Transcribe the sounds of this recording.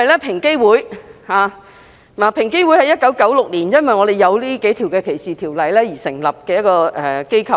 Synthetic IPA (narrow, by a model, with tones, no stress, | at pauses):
ɐ˨jlɛː˥pʰɪ˨˩ŋke˥jwuː˨˥jhaː˨˧ | ma˨˩pʰɪ˨˩ŋke˥jwu˨˥jhɐ˨jɐ˥t̚kɐ˨˥wkɐ˨˥wlʊ˨k̚liː˨˩njɐ˥nwɐ˨jŋɔː˨˧d̪e˨jɐ˨˧wliː˥ke˨˥jt̪ʰiː˨˩wkɛː˧kʰe˨˩jsiː˨t̪ʰiː˨˩wlɐ˨jlɛː˥jiː˨˩sɪ˨˩ŋlɐ˨p̚kɛː˧jɐ˥t̚kɔː˧ʔɛ˨˩ke˥jkʰɐ˨˧˩